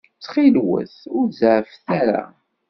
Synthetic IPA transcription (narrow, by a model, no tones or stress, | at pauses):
t͡sːχilwə̰θʊɾzʕfθaɾa̰